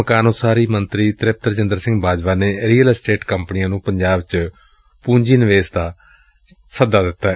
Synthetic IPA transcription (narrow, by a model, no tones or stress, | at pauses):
əkaːnoːsaːɾiːmənt̪ɾiːt̪ɾɪp̚t̪əɾt͡ʃɪnd̪əɾsɪ̃ŋɡbaːd͡ʒʋaːneːɾiːəlsʈeːʈkəmpnijãːnũːpəɲd͡ʒaːbt͡ʃ | pũːɲd͡ʒiːnɪʋeːsd̪aː | səd̪aːd̪ɪt̪ːaː